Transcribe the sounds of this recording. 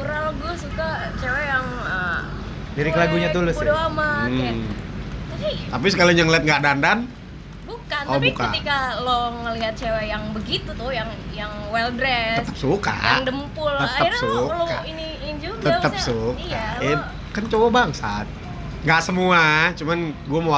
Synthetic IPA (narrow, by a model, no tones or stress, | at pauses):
uɾaloɡuasuka | t͡ʃewɛjaŋ | ə | diɾikəlaɡuɲad̪ulʊsdoama | asit̪ap̬is̬əkalanjaŋliat̪̚ŋɡaʔdandan | bukantɔabiukəa̰ikaloŋəliɦat̪̚t͡ʃewɛjaŋbəɡit̪ut̪ʊjaŋjaŋwɛldɾɛəst̪ə̥p̚suka̰jaŋdəmpʊlətaəirauloka̰ini | nd͡ʒut̪əəpsukiaaɛ | kant͡ʃobabaŋsa̰t̪̚ | ŋɡaʔsəmuat͡ʃumanɡuamoa